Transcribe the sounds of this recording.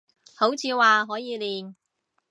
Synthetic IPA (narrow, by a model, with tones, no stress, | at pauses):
ho˨˥wt͡sʰiː˨˧waː˨ɦɔː˨˥jiː˨˧liː˨n